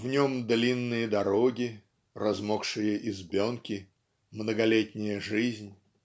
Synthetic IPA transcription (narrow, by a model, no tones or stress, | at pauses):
vnʲomd̪lʲinːɨjəd̪ɐɾoɡʲɪ | rɐzmokʂɨjəʔɪzbʲonkʲɪ | mnəɡɐlʲet̪ʲnʲɪjəʐɨzʲnʲ